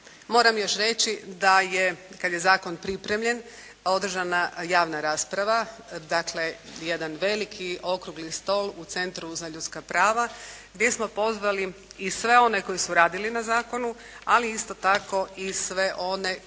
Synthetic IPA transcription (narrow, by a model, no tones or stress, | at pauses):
mo̞ːɾamjo̞ʃɾe̞t͡ɕid̪ajekad̪je̞zaːko̞npɾipɾe̞mʎe̞n | o̞d̪r̩ʒanajaːʋnaɾaːspɾaʋad̪akle̞jed̪anʋe̞likʰio̞kɾuɡlist̪o̞lˠut̪se̞nt̪ɾuzaʎut̪skapɾaːʋaɡd̪je̞smo̞po̞zʋaliisʋe̞o̞ne̞ko̞jisuɾaːd̪ilinazaːko̞nu | aliist̪o̞t̪ako̞isʋe̞ʔo̞ne̞